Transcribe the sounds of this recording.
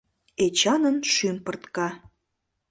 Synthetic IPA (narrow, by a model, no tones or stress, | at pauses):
et͡ɕɑnənʃympərt̪kɑ